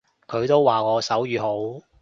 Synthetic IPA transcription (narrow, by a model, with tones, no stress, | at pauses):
kʰɵ˨˧ɥt̪o˥wːaː˨˩ŋɔː˨˧sɐ˨˥wjyː˨˧ɦo˨˥w